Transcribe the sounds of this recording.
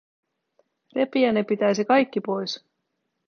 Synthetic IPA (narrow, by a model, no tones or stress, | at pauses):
repiænepit̪æjsikɑjkːipo̞js